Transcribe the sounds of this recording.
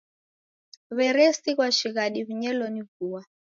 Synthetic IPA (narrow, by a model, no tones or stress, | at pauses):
βɛɾɛsiɣwaʃiɣaɗiβiɲɛlɔniɡuːwa